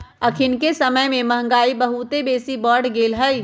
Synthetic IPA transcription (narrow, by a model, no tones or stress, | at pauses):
əkʰɪnkesəməjmẽmɐɦə̃ŋ̆ɡaːibəɦut̪ebeːsibɔːɾɖɡeːlɦəj